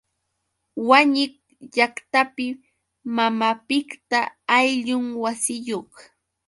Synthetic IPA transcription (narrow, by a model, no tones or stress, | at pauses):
waɲɪk | ʎakt̪apɪ | mamapɪkt̪aːjʎʊŋwasɪjoχ